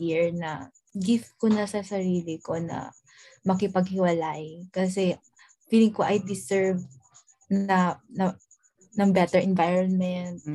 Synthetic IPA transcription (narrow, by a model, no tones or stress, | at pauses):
iɹnɐ | ɡɪft̪̚konɐsɐsɐɾiːlɪko̞nɐ̰ | mɐkɪpɐɡ̚hɪwɐlajkɐs̬ɛ | fiːlɪŋkoʔɐjd̪ɪsɛɹv | nɐnɐ | nɐŋbɛt̪ɛɹʔɛnvajɹonmɛnt̪̚